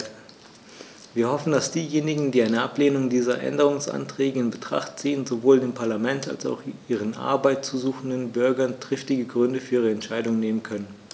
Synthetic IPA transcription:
viːɐhɔfn̩dasd̥iːjeːnɪɡŋ̩diːaɪnəʔapleːnʊŋdiːzɐʔɛ̰ndəʁ̞ʊŋsʔa̰ntʁ̥ɛːɡəɪnbətʁ̥a̰χtz̥iːənzovoːldeːmpʰaɐlamɛnta̰lsa̰ʊxʔiːʁ̞ənʔa̰ɐbaɪt̚t͡suːzuːxn̩dənbʏɐɡɐntʁ̥ɪftɪɡəɡʁʏndəfyːɐiːʁəɛntʃaɪdʊŋneːmənkʰœnən

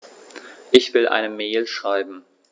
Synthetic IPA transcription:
ʔɪçv̥ɪlʔa̰ɪnəmeːlʃʁ̥aɪbm̩

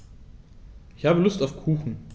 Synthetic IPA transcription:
ʔɪçhaːbəlʊstaʊfkʰuːxn̩

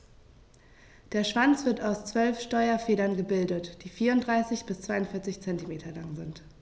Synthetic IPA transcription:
d̥eːɐʃv̥ant͡sv̥ɪɐtaʊst͡sv̥œlfʃtɔʏɐfeːɾɐnɡəbɪldətd̥iːfiːɐʊntdʁaɪsɪçb̥ɪst͡sv̥aɪʊntfɪɐt͡sɪçt͡sɛntimeːtʰɐlaŋzɪnt

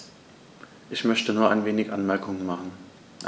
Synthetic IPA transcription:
ʔɪçmœçtənuːɐʔaɪnveːnɪçʔanmɛɐkʰʊŋənmaχn̩ | ʔ

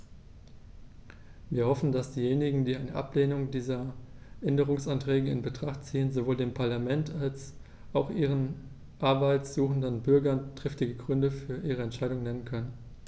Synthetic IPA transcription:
viːɐhɔfn̩dasd̥iːjeːnɪɡŋ̩diːaɪnəʔa̰pleːnʊŋdiːzɐʔɛndəʁ̞ʊŋsantʁ̥ɛːɡəɪ̰nbətʁ̥aχtt͡siːənzovoːldeːmpʰaɐlamɛntʰals | ʔaʊxʔiːʁ̞ən | ʔaɐbaɪtsz̥uːxn̩dənbʏɐɡɐntʁ̥ɪftɪɡəɡʁʏndəfyːɐʔiːʁ̞əɛntʃaɪdʊŋnɛnənkʰœnən

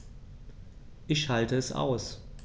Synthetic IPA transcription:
ʔɪçhaltəɛsʔa̰ʊs

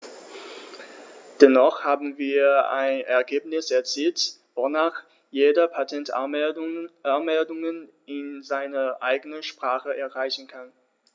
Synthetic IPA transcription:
d̥ɛnɔχhaːbm̩viːɐa̰ɪnɛ̰ɐɡeːpnɪsɛɐt͡siːltvonaːχ | jeːdɐpʰatʰɛnta | anmɛldʊŋən | ɪnzaɪnɐʔaɪɡənəʃpʁ̥aːχəʔɛɐʁaɪçn̩kʰan

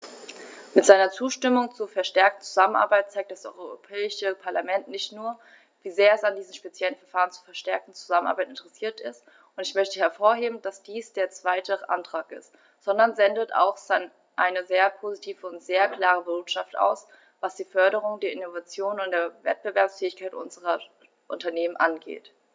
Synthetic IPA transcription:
mɪtz̥aɪnɐt͡suːʃtɪmʊŋt͡suːɐfɛɐʃtɛɐk̚tn̩t͡suzamənʔa̰ɐbaɪt̚t͡saɪk̚td̥asʔɔ̰ʏʁʏʁopʰɛːɪʃəpʰaɐlamɛntnɪçtnuːɐ | viːzeːɐɛsandiːzm̩ʃpet͡sjɛlən̩fɛɐfaːʁ̞ənt͡sufɛɐʃtɛɐk̚tn̩t͡su̥zamənʔa̰ːbaɪtɪntəʁɛsiːɐtɪst | ʊntɪçmœçtəhɛɐfoːɐɦeːbm̩d̥asd̥iːsd̥eːɐt͡sv̥aɪtʰəʔa̰ntʁ̥aːkɪ̰st | z̥ɔndɐnzɛndəta̰ʊxz̥an | ʔa̰ɪnəzeːɐpʰozitʰiːvəʊntz̥eːɐkl̥aːʁ̞əvʊɐtʃaftʔa̰ʊs | vasd̥iːfœɐɾəʁ̞ʊŋdeːɐɪnovat͡sjoːnʊnt̚d̥eːɐvɛ̰t̚b̥əvɛɐpsfɛːɪçkʰaɪtʔʊ̰nzəʁɐ | ʔʊntɐneːmənʔanɡḛːt

